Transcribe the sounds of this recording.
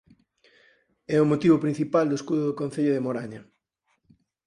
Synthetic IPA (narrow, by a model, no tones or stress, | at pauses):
ɛʊmot̪iβʊpɾin̟θipald̪oeskuðʊðʊkõn̟θeʎʊðemoɾaɲɐ